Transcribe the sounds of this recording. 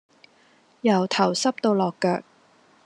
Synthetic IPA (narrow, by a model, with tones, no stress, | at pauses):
jɐ˨˩wt̪ʰɐ˨˩wsɐ˥p̚t̪o˧wlɔː˨˩kːœː˧k̚